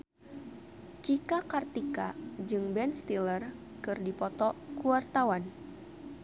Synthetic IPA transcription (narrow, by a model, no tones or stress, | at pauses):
t͡ʃikakart̪ikad͡ʒɨŋbɛnst̪ilər | kɨrdipɔt̪ɔkuwart̪awan